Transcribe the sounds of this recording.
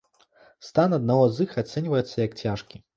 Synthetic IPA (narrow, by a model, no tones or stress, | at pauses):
st̪anɐd̪naɣɔzɨxat̪sɛnʲvɐjɛt̪sːɐjɐk̚t͡sʲaʂkʲi